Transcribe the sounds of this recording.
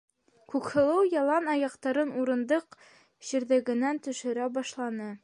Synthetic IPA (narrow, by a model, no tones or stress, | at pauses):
kʉkhɤ̆lˠɤwjɑlˠɑnɑjɑqt̪ɑɾɤnuɾɤ̆nd̪ɤq | ʑiɾðɘ̆ɡɘ̆nænt̪ɵ̆ʃɘ̆ɾæbɑʃlˠɑnɤ